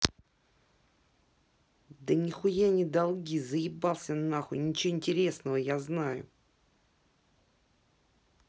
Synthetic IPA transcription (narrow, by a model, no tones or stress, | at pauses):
d̪ənʲɪxʊjanʲɪd̪alˠɡʲizəjɪbalˠsʲənaxʊnʲɪt͡ɕɪvoɪnʲtʲɪɾʲe̞snəvəjaznajʊ̰